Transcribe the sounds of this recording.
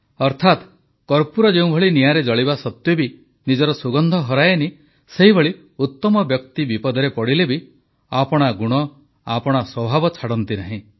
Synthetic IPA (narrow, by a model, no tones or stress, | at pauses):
ɔɾt̪ʰat̪ | kɔɾpuɾɔd͡ʒeũbʱɔɭinijaɾed͡ʒɔɭibasɔt̪jɔbi | nid͡ʒɔɾɔsuɡɔnd̪ʱɔɦɔɾajeni | seɦibʱɔɭi | ut̪ːɔmɔbjɔkt̪ibipɔd̪ʱɔɾepɔɽilebi | apɔɽ̃aɡuɽ̃ɔ | apɔɽ̃aswɔbʱabɔt͡ʃʰaɽɔnt̪inaɦĩ